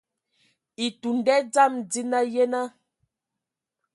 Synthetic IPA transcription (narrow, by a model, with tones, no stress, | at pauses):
i˨tu˨n˦dɛ˦d͡za˦˨md͡zi˦na˦jɛ˦na˦